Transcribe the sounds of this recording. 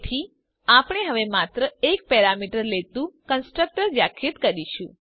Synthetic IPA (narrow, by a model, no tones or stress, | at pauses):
ʈ̪ʰi | apɽ̃eɦəʋemat̪ɾəekpɛɾamiʈəɾlet̪ũkənsʈɾək̚ʈəɾʋjakʰit̪kəɾiʃũ